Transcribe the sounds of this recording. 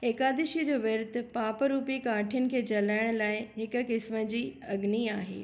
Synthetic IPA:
eːkaːd̪ɪʃid͡ʑoːʋɐɾt̪̆paːpɾuːpikaːʈʰijʊnɪ̆kʰeːt͡ɕɐlaːɪɽ̃laːɪɦɪkʊ̆kɪsmə̆d͡ʑiːɐɡniaːɦḛː

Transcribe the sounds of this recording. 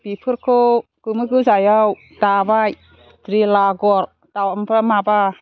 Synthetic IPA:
pipʰɯɾkʰokɯmɯɡɯzajaw | tabaj | tɾilaɡɔɾ | tawampʰɾamaba

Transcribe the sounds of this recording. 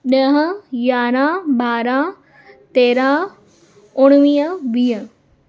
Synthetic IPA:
nəɦəjaːɾaːbaːɾaː | t̪eːɾaː | ʊɽ̃ʋijəʋij

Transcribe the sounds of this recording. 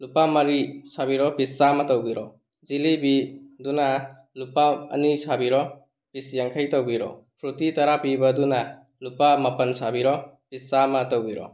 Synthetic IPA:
lupamɐɾisabiɾɔbisːamatawbiɾɔ | zilibiduna | lupaɐ̰nisabiɾɔ | b̥isjaŋkʰajtawbiɾɔ̰pʰɾutitaɾapibɐduna | lupamɐpɐnsabiɾɔpissamatawbiɾɔ̰

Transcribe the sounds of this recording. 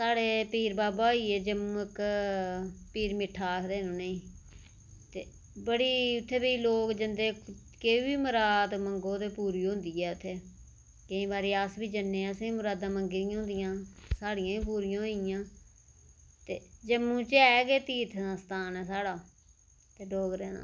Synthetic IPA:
saːɽeːpiːɾbaːbaːiːeːd͡ʒəmũːɪk | piːɾmɪʈʰːaːkt̪eːɦnũːneĩː | t̪eː | bəɽiːʊt̪ʰːeːbiːloːkd͡ʒənd̪eː | keiːbiːmʊɾaːd̪məŋɡõːt̪eːpuːɾiːɦʊ̃nd̪iːɛːʊt̪ʰːeː | kɪĩːbaːɾiːəsbiːd͡ʒənːẽːsĩːmʊɾaːd̪ãːməŋɡɪɾiãːɦʊ̃nd̪ɪjãːsaːɽɪjãːĩːp̬uːɾɪjãːɦɪjãː | t̪eːd͡ʒəmːũːt͡ʃɛːɡeːt̪iːt̪ʰːst̪aːnɛːsaːɽaː | t̪eːɖoːɡɾɛːna̰ː

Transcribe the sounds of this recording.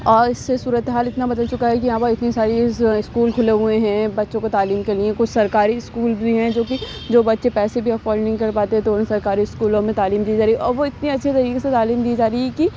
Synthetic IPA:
ɔːɾɪsːesuːɾət̪eɦaːlɪt̪nabɐd̪əlt͡ʃʊkaɦɛkijãːpɐɪt̪nisaːɾiɪskuːlkʰʊleɦʊeɦɛ̃bɐtːʃõkot̪aːliːmkeliẽkʊt͡ʃʰsɐɾkaːɾiɪskuːlʱiɦɛ̃d͡ʒoːki | d͡ʒoːbɐtːʃepɛːsebʱiɐfɔːlnɐɦĩkɐɾpaːt̪eɦɛ̃t̪oʊnsɐɾkaːɾiskuːlõmẽt̪aːliːmd̪iːd͡ʒaːɾiʔɔːɾʋoɪt̪niɐtːʃʰet̪ɐɾiːkeset̪aːliːmd̪ied͡ʒaːɾiɛki

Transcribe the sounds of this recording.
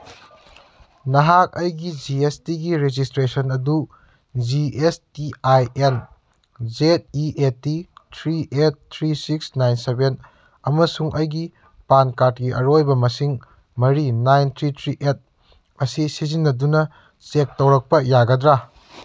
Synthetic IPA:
nɐɦak̚ɐjɡid͡ʒiestiɡiɾed͡ʒistɾesɐnɐdu | d͡ʒiestiajen | d͡ʒet̚iʔetːitʰɾiʔet̚tʰɾisiksnajnseben | ɐmɐsuŋʔɐjɡi | pankat̚kiɐɾojbɐmɐsiŋ | mɐɾinajntʰɾitʰɾiʔet̚ | ɐsisizinːɐdunɐ | t͡ʃek̚tɐwɾɐk̚pɐjaɡɐdɾa

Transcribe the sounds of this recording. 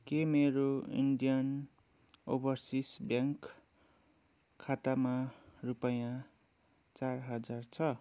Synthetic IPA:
kemeɾoḭɳɖijʌn | o̰bʌrsisbjãŋk | at̪amarupʌjã | t͡sarɦʌd͡zart͡sʰʌ

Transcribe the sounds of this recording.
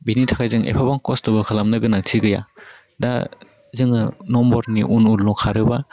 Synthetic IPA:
binitʰakʰajzɯŋḛpʰabaŋkɔstɔbɯkʰalamnɯɡɯnaŋtʰiɡɯja̰ | da̰ | zɯŋɯnɔmbɔɾniʔunulnukʰaɾɯba

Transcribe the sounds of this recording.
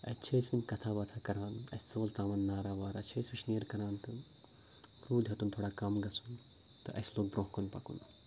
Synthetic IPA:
ɐ̰t͡ʃʰɐjsminkɐt̪ʰaːbɐt̪ʰakɐɾaːnɐ̰st͡soːlt̪aːʋaːnːaːɾaːʋaːɾɐt͡ʃʰeːsʋiʃnijɐɾkɐɾaːnt̪ɨ | ɾuːd̪ɦɐt̪unt̪ʰoːɽaːkɐmɡɐsun | t̪ɨʔɐ̰sloːk̚bɾõːɦkɐnpɐkṵn

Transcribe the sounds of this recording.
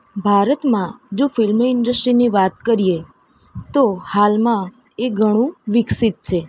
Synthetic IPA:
bʱaɾət̪mãd͡ʒofɪlməɪɳɖəsʈɾiniʋat̪kəɾije | t̪ohalmã | eɡʱəɽ̃ũʋɪksit̪̚t͡ʃʰe

